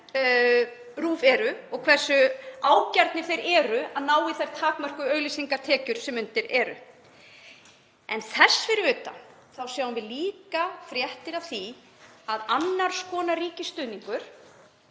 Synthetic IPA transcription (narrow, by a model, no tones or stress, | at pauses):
ruːvɛɾʏɔɣkʰvɛr̥sʏaːwcaɾt̪nɪ̥θejɾɛːɾʏaðnaːwɪθajɾ̥t̪ʰaːkmœr̥kʏœːɥɣlisiŋkaɾ̥t̪ʰɛːcʏɾ̥sɛmʏnt̪ɪɾɛɾʏ̰ | ɛnθɛsfɪɾɪʏːt̪a̰ | θawsjaːwʏnvɪliːkafɾjɛht̪ɪɾawθi | aðanːaɾ̥skɔːnaɾiːcɪst̪ʏːniŋkʏɾ̥